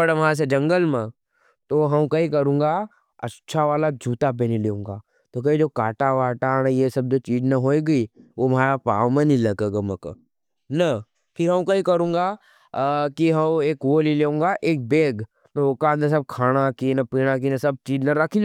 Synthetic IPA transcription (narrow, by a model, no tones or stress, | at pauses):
ɐɽʋɦãs̬ed͡ʒɐ̃ŋɡəlmẽ | t̪oɦɐmkɐikɐɾũːŋɡa | ɐ̰tːʃʰaʋaːlad͡ʒʱuːt̪ap̬eːnileũːŋɡaː | t̪ok̬ɐid͡ʒokaːʈaʋaːʈanẽjesɐb̚d͡ʒot͡ʃiːd͡ʒnɐɦoːiɡɐiomaːɾapaːʋmẽnĩlɐɡeɡɐmɐkː | nɐ | pʰɪɾɦɐ̃mkɐĩkɐɾũːŋɡa | kiɦɐmeːkwoːlileũːŋɡaʔeːk̚beːɡ | nɐoːkand̪əs̬ɐb̚kʰaːɽ̃akinɐpiːɽ̃akinɐsɐb̚t͡ʃiːd͡ʒnɐɾɐkʰil